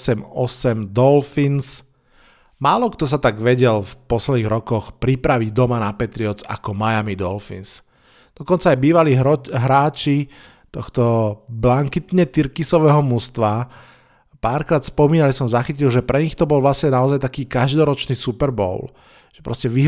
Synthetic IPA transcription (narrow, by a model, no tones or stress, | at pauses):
sɛmɔsɛmd̪ɔlfins | maːlɔkt̪ɔs̬at̪aɡʋɛɟɛlfpɔslɛd̪iːɣɾɔkɔxpɾipɾaʋiɟd̪ɔmanapɛt̪ɾiɔt͡sa̰kɔmajamid̪ɔlfḭns | d̪̥ɔkɔnt͡saːjbiːʋaliːɦɾaːt͡ʃi | t̪ɔxt̪ɔblaŋkit̪ɲɛt̪iɾkisɔʋɛɦɔmust̪ʋa | paːɾkɾaːt̪spɔmiːnalisɔmzaxicilʒɛpɾɛɲixt̪ɔbɔlʋlasɲɛnaɔzajt̪akiːkaʒd̪ɔɾɔt͡ʃniːsupɛɾbɔ̰ʊl | ʒ̥ɛpɾɔ̰scɛʋiɦ